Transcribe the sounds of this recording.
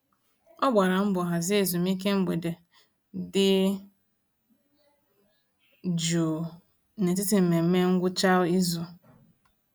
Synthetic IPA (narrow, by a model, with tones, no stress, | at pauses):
ɔ˦ɡ͡ba˨ɾa˨m̩˦bʊ˨ɦa˨zɪ˦e˨zu˨mi˦k̬e˦ŋ͡m̩˦ɡ͡be˨de˨ | dɪ˦ | d͡ʒo˨ | ne˨t̬ɪ˦tɪ˨m̩˨me˨m̩˦me˦ŋ̩˦ɡʷʊ˦t͡ʃa˦ʊ˦i˦zu˨